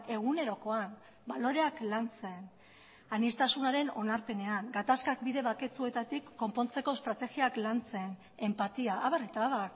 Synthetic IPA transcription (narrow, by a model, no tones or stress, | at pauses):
e̞ɣ̞une̞ɾo̞ko̞an | balo̞ɾe̞aklant͡se̞n | anist̪asunaɾe̞no̞̰naɾpe̞ne̞aŋɡat̪askak̚biðe̞βake̞t͡sue̞t̪at̪ikːo̞mpo̞nt͡se̞ko̞st̪ɾat̪e̞ɣiaklant͡se̞n | e̞mpat̪iaʔːβaret̪aːβar